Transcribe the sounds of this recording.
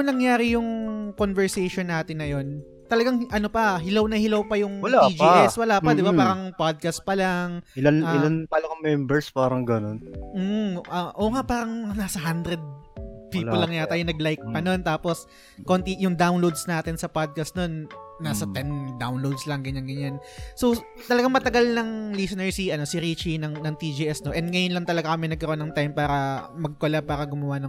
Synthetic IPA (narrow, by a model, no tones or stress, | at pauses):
ʊŋnɐŋjaːɾɪjʊŋkonvɛɹsejʃonːaːt̪ɪnːɐjo̞n | t̪ɐlɐɡaŋʔɐnopɐɦɪlawnɐhɪlɐwpɐjʊŋwɐlaid͡ʒiɛswɐlaːpɐd̪ɪbapaːɾɐŋpad̪̚kɐst̪̚pɐlaŋɪlanaɪlanpɐlɐkɐŋmɛmbɛɹspaːɾɐŋɡɐnonm̩ʔɐʔoːŋapaːɾɐŋnaːsɐɦand̪ɾɛd̪̚piːolːɐŋːɐjat̪aːjɛnɐɡlajk̚pɐno̞nt̪aːpo̞s | ko̞nt̪ijʊŋd̪awnlowd̪snaːt̪ɪnsɐpad̪̚kɐst̪no̞nːaːsɐt̪ɛnd̪awnlowd̪slɐŋɡɐɲanɡɐɲːanso̞ | t̪ɐlɐɡaŋmɐt̪ɐɡalnɐŋlisonɛɹsiʔɐno̞siɾit͡ʃinɐŋnɐŋt̪id͡ʒiːʔɛsno̞ʔɛnd̪̚ŋɐjonlɐŋt̪ɐlɐɡakɐmɛnɐɡ̚kɐɾoonːɐŋt̪ajmpaːɾɐmɐɡ̚kolapaːɾɐɡʊmɐwanɐŋ